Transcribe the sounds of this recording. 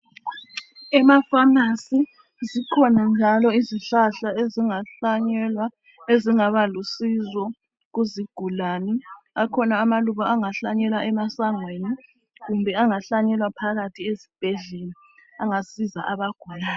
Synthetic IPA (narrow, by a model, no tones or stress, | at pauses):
ɛmafanasi | zikʰɔnand͡ʒʱalɔiziɬaɬaeziŋaɲla | eziŋaβalusizɔ | ɣuziɡ̥ʱulani | akʰɔnaːmaluβaaŋaɬaɲɛlwaʔɛmasaŋweni | ɣumbʱɛaŋaɬaɲɛlwapʰaɣatʰiesi̥b̥ʱɛɮeni | aŋasizaʔaβaɡ̥ʱujaː